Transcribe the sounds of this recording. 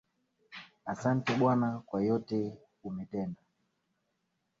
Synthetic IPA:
asantɛɓwanakwajɔtɛ | umɛtɛnda

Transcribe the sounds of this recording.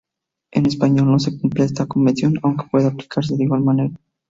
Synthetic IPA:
e̞ne̞spaɲo̞lno̞s̬e̞kumplees̬t̪akomeθjo̞nawŋke̥pwe̞ðaplikʰaɾs̬e̞ðiɣwalmane̞ɾa

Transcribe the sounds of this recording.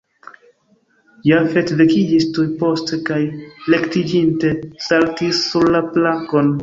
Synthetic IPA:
jafe̞tvekid͡ʒistujpo̞stekajle̞ktid͡ʒinte̞saltisːuɾlaplaŋko̞n

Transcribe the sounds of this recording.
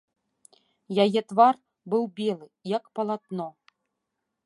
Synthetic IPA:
jajɛt̪var | bɨwbʲelˠɨjakpɐlˠat̪nɔ

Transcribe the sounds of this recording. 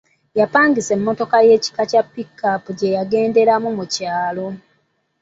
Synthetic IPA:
japaːŋɡise̞mːo̞to̞kaje̞ːci̥kacapːikːapuɟe̞jaɡe̞ːnde̞ɾamumucaːlo̞

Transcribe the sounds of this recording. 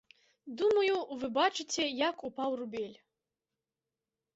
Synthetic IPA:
d̪umɐjuvɨbat͡ʃɨt͡sʲʰɛjakupawrubʲelʲ

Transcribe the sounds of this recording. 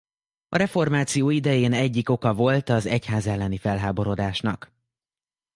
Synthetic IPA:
ɒɾɛfo̞rmaːt̪sijoːid̪ɛjeːnɛɟːiko̞kɒvo̞lt̪ɒzɛchaːzɛlːɛnifɛlɦaːbo̞ɾo̞d̪aːʃnɒk

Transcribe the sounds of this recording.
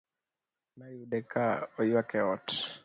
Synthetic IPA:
najudɛkaɔjwakɛɔt

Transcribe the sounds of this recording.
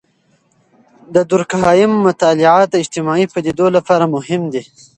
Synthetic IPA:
d̪əd̪ʊɾkɦɑjɪmːʊt̪ɑlɪʕɑt̪aɪd͡ʒt̪ɪmɑipad̪id̪olapɑɾamʊɦɪmd̪i

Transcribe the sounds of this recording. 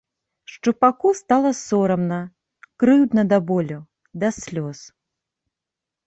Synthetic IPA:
ʂt͡ʂupakust̪alˠɐsɔɾɐmnɐ | kɾɨwd̪nɐd̪abɔlʲu | d̪ɐsʲlʲɔs

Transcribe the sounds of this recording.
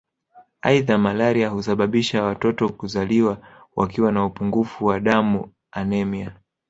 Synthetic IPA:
aiðamalaɾiahusaɓaɓiʃawatɔtɔkuzaliwa | wʔa̰kiwanaupuŋɡufuwaɗamu | anɛmia

